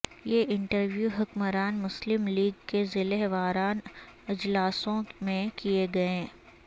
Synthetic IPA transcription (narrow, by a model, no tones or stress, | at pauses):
jeːʔɪ̃ɳʈəɾʋjuːɦʊkməɾaːnmʊslɪmliːɡkezɪleɦʋaːɾaːnɪd͡ʒlaːsõmẽkieɡɐẽː